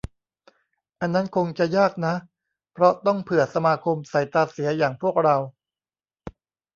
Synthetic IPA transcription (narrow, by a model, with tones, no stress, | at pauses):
ʔa˧nːa˦˥nkʰo˧ŋt͡ɕa˨jaː˥˩k̚na˦˥ʔ | pʰɾɔ˦˥t̪ɔ˥˩ŋpʰɯ˨˩ət̪̚sa˧maː˧kʰo˧msa˨˩jt̪aː˧si˩˦ɐjaː˨˩ŋpʰu˥˩ək̚ɾa˧w